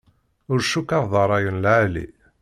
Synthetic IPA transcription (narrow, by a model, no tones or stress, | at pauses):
ʊɾʃukːɑɾˤðˤɑɾˤɑjənlʕalḭ